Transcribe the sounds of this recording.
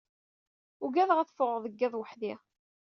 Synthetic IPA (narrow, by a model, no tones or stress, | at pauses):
ʊɡæðəʁæθfʊʁðˤəɡːæðˤwəħði